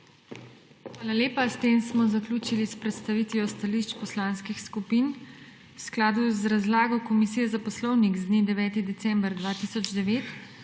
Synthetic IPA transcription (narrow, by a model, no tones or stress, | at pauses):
xʋaːlaleːpast̪eːmsmɔzaklʲuːt͡ʃilispɾɛt̪st̪aʋit̪ʋiɔst̪aliʃt͡ʃpɔslaːnskixskupin | wsklaːd̪uzɾazlaːɡɔkɔmisijɛzapɔslɔwniɡzd̪nid̪ɛʋɛːt̪id̪ɛsɛmbɾd̪ʋaːt̪isɔd͡ʒd̪ɛʋeːt̪